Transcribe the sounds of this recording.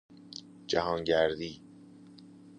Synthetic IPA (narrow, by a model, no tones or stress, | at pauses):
d͡ʒæɦɒːŋɟæɾd̪iː